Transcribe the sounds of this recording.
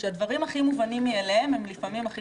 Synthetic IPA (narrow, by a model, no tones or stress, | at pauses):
ʃead̪vaʁimhaχimuvanimːielehemhe̞mlifamimaχi